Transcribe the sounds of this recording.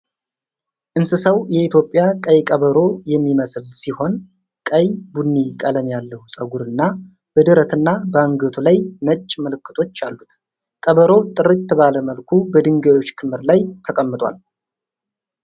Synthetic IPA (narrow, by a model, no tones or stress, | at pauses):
ʔɨnsɨsəwjɛit̪ʰjo̞pʼːjakʼəjkʼəβəɾo̞jɛmːiməslsiho̞n | kʼəjbunːikʼələmjalːəhusʼəɡuɾɨnːa | b̥əd̪ɨɾət̪ʰɨnːabəŋɡət̪ʰulajnət͡ʃʼːməlɨkʰːɨt̪ʰo̞t͡ʃːalːut̪ | kʼəβəɾo̞t̪ʼɨɾɨt̪ʰːɨβaləməlkʰubəd̪ɨŋɡəwo̞t͡ʃːkʰɨmɨɾlajt̪ʰəkʼəmːɨt̪ʼwa̰l